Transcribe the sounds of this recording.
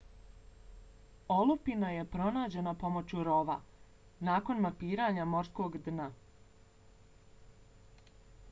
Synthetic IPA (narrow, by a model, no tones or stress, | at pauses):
olupinaje̞pɾo̞naːd͡ʑe̞napo̞mot͡ɕuɾo̞ʋa̰ | naːko̞nmapiːɾaːɲamo̞ɾsko̞ːɡd̪na